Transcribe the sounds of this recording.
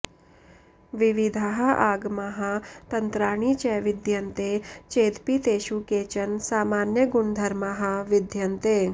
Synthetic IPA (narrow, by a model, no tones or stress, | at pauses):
ʋiʋid̪ʱaːɦɐʔaːɡmaɦat̪ɐnt̪ɾaːɳ̃it͡ʃɛʋɪd̪ʱjɐnt̪et͡ʃeːd̪pit̪eːʃukeːt͡ʃɐnsaːmaːnjəɡʊɳd̪ʱɐɾmaɦɐʋɪd̪ʱjɐnt̪eː